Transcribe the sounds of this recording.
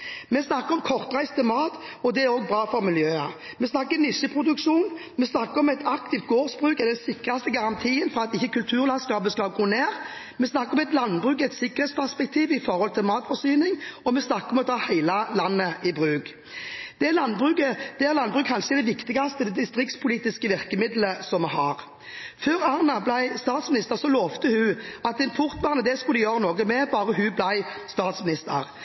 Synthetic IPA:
mɛsnɑkːəɾɔmkʰɔʁt̪ʁæɪst̪ʰɪlmɑːt̪ɔd̪ɛæɾoːɡ̚bʁɑːfɔʁmɪljøːɑ | mɛsnɑkːənɪsəpʰʁʊd̪ʉkʂuːn | mɛsnɑkːəɔmɛt̪ʰɑkt̪ʰɪft̪̚ɡoːʁsbʁʉːkɛd̪ɛnsɪkːʁɑst̪əɡɑʁɑnt̪ʰiːənfɔʁɑt̪ɪçːəkʉlt̪ʰʉːʁlɑnskɑːpəskɑɡuːneːʁ | mɛsnɑkːəʁɔmɛt̪lɑnbʁʉːkɛt̪sɪkːəʁəhɛtspʰæʁspɛk̚t̪ʰiːʋɪfɔʁhɔlt̪ʰɪlmɑːt̪fɔsyːnɪŋɔmɛsnɑkːəɔmɛɔt̪ʰɑːhæɪlɑlɑnːəʔɪbʁʉːɡ | d̪̥ɛælɑnːbʁʉkəd̥̪ɛæɾʁlɑnbʁʉːk̚ʰɑnʃəɛd̪ɛʋɪkt̪ɪɡɑst̪əd̪ɛd̪ɪst̪ʁɪkt̪spʰʊliːt̪ɪskəʋɪʁkəmɪd̪ləsɔmhɑːʁ | føːɾɑʁnɑblæɪst̪ɑːt̪smɪnɪst̪əɾsɔloːʋt̪əhʉɑt̪̚d̪ɛnpʰʊɾt̪ʋɑʁnəd̪ɛskʊlɪjøːɾənoːɡəmɛbɑːɾəɦʉblæɪst̪ɑːt̪smɪnɪst̪ʰə̰ʁ

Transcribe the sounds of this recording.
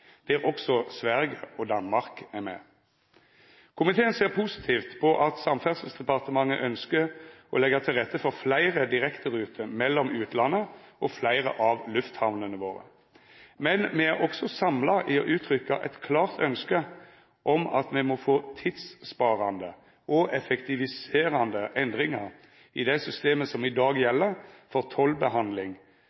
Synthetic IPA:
d̪̥ɛæʁɔksɔsʋæʁɡəɔd̪ɑnmɑʁkæʁmɛ̰ | kʰʊmɪt̪ʰeːənseːʁpʰuːsɪ̥t̪ʰiːft̪pʰɔʔɑt̪sɑmfæʁsəl̩sd̪ɛpɑʁt̪əmɑŋːə̰ʔœnskəʁɔlɛɡəʁt̪ʰɪlʁɛt̪ːəfɔʁflæɪʁəd̪ɪʁɛkt̪əʁʉːt̪ʰəmɛlːɔmʉːt̪lɑnːəɔflæɪʁə̰ʔɑʋlʉft̪hɑʋnənəʋoːʁə̰ | mɛnmɛæʁɔksɔsɑmlɑʔɪɔ̰ʔʉːt̪ʰʁʏkːɑʔɛ̰t̪kʰlɑːʁt̪ʰœnskə | ʔɔmɑ̰t̪mɛmɔfoːt̪ʰɪd̪spɑːʁɑnd̪ə | ʔɔʔɛfɛkt̪ɪʋɪseːʁɑnd̪əʔɛnd̪ʁɪŋɑʁ | ɪd̪æɪsʏst̪eːməsɔmɪd̪ɑːɡjɛlːəʁfɔʁt̪ʰɔlbəɦɑnd̪lɪŋ

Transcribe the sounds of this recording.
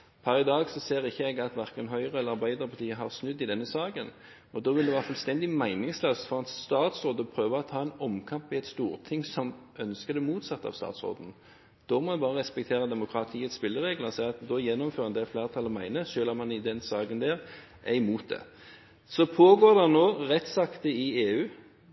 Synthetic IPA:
pʰæɾɪd̪ɑːɡsɔseːɾɪçːəɛɡɑt̪ʋæʁkənɦœʏʁəɛləɾɑʁbæɪd̪əʁpʰɑʁt̪ʰiːəɦɑʁsnʉd̪ːɪd̪ɛnːəsɑːɡən | ɔd̪oːʋɪld̪ɛʋɑːʁfœlst̪ɛnd̪ɪmæɪnɪŋsløːst̪fɔʁɑt̪sst̪ɑːt̪soːd̪əɔpʰɾøːʋəɔt̪ʰɑːɛnɔmkʰɑmpʋɪɛt̪st̪uːʁt̪ʰɪŋsɔm | œnskəd̪ɛmuːt̪sɑt̪ːɑ̰ʋst̪ɑ̰ːt̪so̰ːd̪n̩ | d̪̥ɔmɔbɑːʁəʁɛspɛk̚t̪ʰeːʁəd̪ɛmʊkʰɾɑt̪ʰiːət̪spɪlːəɾeːɡləɔsæɪɑt̪d̪ɔjɛnːɔmføːɾɑnd̪ɛfleːʁt̪ʰɑlɔmæɪnəʃøːlɑmɑnɪd̪ɛnsɑːɡənd̪æːʁ | ʔæɪmuːt̪̚d̪ɛ̰ | sɔpʰoːɡoːd̪ɛnoːʁɛt̪ːsɑkt̪əɪeːʉː

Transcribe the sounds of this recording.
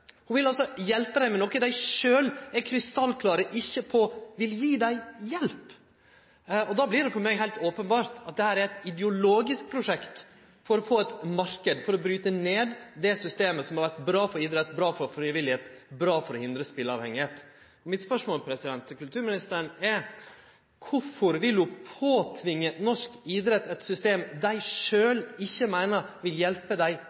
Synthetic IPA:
hʊnʋɪlɑlsɔjɛlpəd̪æɪmɛnɔkəd̪æɪʂøːlɛkʰɾɪst̪ɑlːkʰlɑːɾəʔɪçːəpʰɔʋɪljiːd̪æɪjɛlp | ɔd̪ɑːblɪɾɛfɔɾmɛɡɦæɪlt̪oːpənbɑːɾt̪ɑt̪̚d̪ɛhæːɾæɾɛt̪ɪd̪ɛʊloːɡɪsk̚pʰɾʊʂɛkt̪ | fɔɾɔfoːɛt̪mɑɾkəd̪fɔɾɔbɾyːt̪əneːd̪d̪ɛsʏst̪eːməsɔmhɑɾʋæʈbɾɑːfɔɾiːd̪ɾɛt̪ːbɾɑːfɔɾfɾiːʋɪlɪheːt̪bɾɑːfɔɾɔhɪnd̪ɾəspɪləɑːʋhɛŋːɪheːt̪ | ɔmɪt̪spœʂmoːlpʰɾɛsɪd̪ɛnt̪kʉlt̪ʰʉːɾmɪnɪst̪əɾənɛɾ | kʰʊfɔɾʋɪlʉpʰoːt̪ʰʋɪŋːənɔʂkiːd̪ɾɛt̪ːɛt̪sʏst̪eːmd̪æɪʂøːlɪçːəmæɪnəɾʋɪljɛlpəd̪æɪ

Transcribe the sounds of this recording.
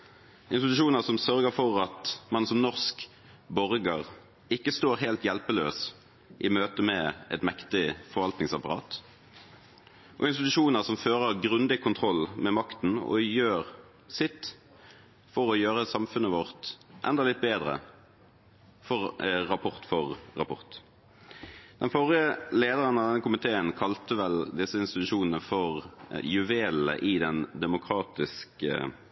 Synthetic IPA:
ɪnst̪ɪt̪ʉʃuːnəʁsɔmsœʁɡəfɔʁɑt̪mɑnsɔmnɔʁsk | bɔʁɡəʁ | ɪkːəst̪oːʁɦeːlt̪jɛlpəlø̰ːs | ʔɪmøːt̪əmɛɛ̰t̪mɛkt̪ɪfɔʁɾʋɑlt̪nɪŋsɑpɑʁɑ̰ːt̪ | ʔɔ̰ɪnst̪ɪt̪ʉʂuːnəʁsɔmføːʁəəʁɡʁʉnd̪ɪkʰʊnt̪ʰʁɔlːmɛmɑkt̪n̩ɔ̰jøːʁ | sɪt̪ | fɔʁɔjøːʁəsɑmfʉnːəʋɔʁt̪ʔɛ̰nd̪ɑlɪt̪̚beːd̪ʁə̰ | fɔʁʁɑpʰɔʁt̪fɔʁːɑ̰pʰɔ̰ʁt̪ | d̪̥ɛnfɔʁɪəleːd̪əʁənɑd̪ɛnːəkʰʊmɪt̪ʰeːənkʰɑlt̪əʋɛld̪ɪsːəɪnst̪ɪt̪ʉʂuːnən̩əfɔʁjʉʋeːlə̰ʔɪd̪ɛnd̪ɛmʊkʰʁɑːt̪ɪskə̰

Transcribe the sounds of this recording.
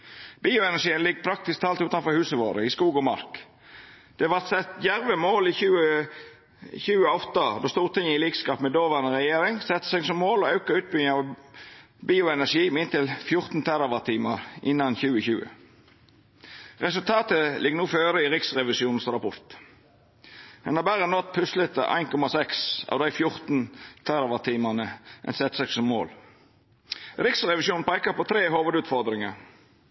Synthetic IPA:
biːʊɛnæʂiːənlɪɡːpʰɾɑk̚t̪ɪsk̚t̪ʰɑːlt̪ʉːt̪ɑnfɔɾhʉːsəʋo̰ːɾəɪskuːɡɔmɑ̰ɾk | d̪̥ɛʋɑɾt̪sɛt̪jæɾʋəmoːliçʉːə | çʉːəɔft̪ɑd̪oːst̪uːʁt̪ɪŋːəɪliːkskɑːpmɛd̪oːʋæʁnəɾɛjeːɾɪŋsɛt̪ːə̥sɛɡsɔmːoːlɔɑʉkəʉːt̪̚bʏɑʋ | biːʊɛnæʂiːmɪnt̪ʰɪlfjʊɾt̪n̩t̪ʰæɾɑʋɑʁt̪ʰiːməɾʔɪnːɑnçʉːəçʉːə̰ | ʁɛsʉlt̪ʰɑːt̪əlɪɡənuːføːɾəiɾɪksʁɛʋɪsjuːnn̩sɾɑpʰɔɾt̪ | d̪ɛnhɑːbæʁənɔt̪̚pʰʉslət̪ə̰ʔæ̰ɪnkʰɔmɑsɛksɑ̰ʋd̪æɪfjʊɾt̪n̩t̪ʰæɾɑʋɑt̪ʰiːmɑnəʔɛ̰nsɛt̪sɑksɔmːo̰ːl | ɾɪksʁɛʋɪsjuːn̩pʰɾeːkəpɔt̪ʰɾeːhoːʋəd̪ʉːt̪fɔɾd̪ɾɪŋɑɾ

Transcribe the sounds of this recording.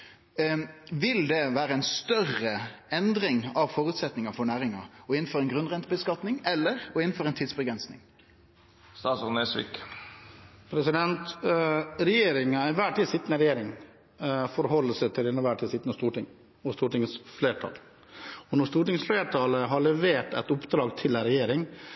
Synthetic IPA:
ʋɪld̪ɛʋæːɾəɛnst̪œrəɛnd̪ɾɪŋɑʋfɔɾʉːt̪sɛt̪nɪŋɑfɔɳæːɾɪŋɑɔɪnn̩fɔɾɛnɡɾʁʉnʁɛnt̪əbəskɑt̪nɪŋɛlːəɾɔɪnn̩fɔɾɛnt̪ʰiːd̪sbəɡɾɛnsnɪŋ | st̪ɑːt̪sɔnɛsʋɪ̰k | pʰɾɛsɪd̪ɛnt̪ | ɾɛjeːɾɪŋɑɪʋæːʈʰiːsɪt̪ːənəɾɛjeːɾɪŋ | fɔɾɦɔlːəsət̪ʰɪlɪnːəʋæːʈʰiːsɪt̪ːnəst̪uːʈɪŋ | ɔst̪uːʈɪŋsfleːʈʰɑ̰ːl | ɔnɔst̪uːʈɪŋsfleːʈʰɑːləɦɑɭɛʋeːʈɛ̰ɪt̪ʊpd̪ɾɑːɡt̪ʰɪlæɾɛjeːɾɪŋ

